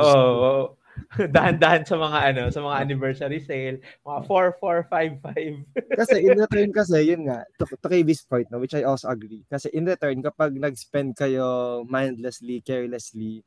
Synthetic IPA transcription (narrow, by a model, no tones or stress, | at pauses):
ʔoʔoʔ | d̪ahɐnd̪ahɐnsɐmɐŋaʔɐno̞sɐmɐŋaʔɐnɪbɛɹsɐɾisejlmɐŋafoɹfoɹfajvfajvkɐsɛʔɪ̃nɾɛt̪ɛɹnkɐs̬ɛjʊnŋaʔt̪ʊt̪ʊkɐjvɪspojnt̪nowɪt͡ʃajʔolsoʔɐɡɾikɐsɛʔɪnɾɛt̪ɛɹnkɐpɐɡ̚nɐɡspɛnd̪̚kɐjomajnd̪lɛslikɛɹlɛsli